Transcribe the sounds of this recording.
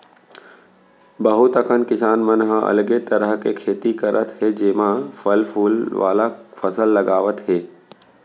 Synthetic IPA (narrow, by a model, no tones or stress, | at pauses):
bəɦʊt̪əkənkɪsaːnmənɦəɐ̰lɡet̪əɾəɦkekʰeːt̪ikəɾʔət̪ɦed͡ʒeːmãfəlpʰuːlʋa̰ːlafʰəsəlːəɡaːʋət̪ɦeː